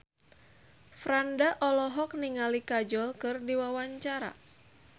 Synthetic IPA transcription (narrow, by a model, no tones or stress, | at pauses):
fɾandaʔɔlɔɦɔk̚niŋalikad͡ʒɔlkɨrdiwawaɲt͡ʃaɾa̰